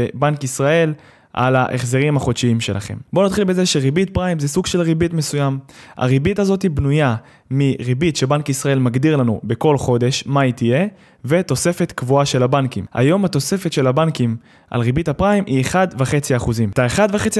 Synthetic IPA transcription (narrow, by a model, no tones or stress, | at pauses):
ebankisʁae̞l | ʔa̰laʔeχzeʁimaχo̞dʃiimʃe̞̰lʔa̰χe̞̰mbo̞nat̪χilbe̞zeʃeʁibit̚pʁaimzesuɡʃe̞lʁibitmesujama̰ʁibitazo̞tibnuja | miʁibitʃe̞bankisʁae̞lmaɡdiʁlanṵbe̞ko̞lχo̞d̪e̞ʃmait̪ije̞ | ve̞t̪o̞se̞fe̞t̪kvuaʃe̞labankima̰jo̞mhat̪o̞se̞fe̞t̪ʃe̞labankim | ʔa̰lʁibitapʁaimʔieχad̪veχe̞t͡siaːχuzimtaeχad̪vaχe̞t͡si